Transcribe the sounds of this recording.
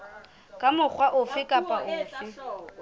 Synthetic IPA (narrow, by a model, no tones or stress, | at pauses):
kʼamʊk͡xʰwaʔʊfɪkʼapʼaʊːfɪ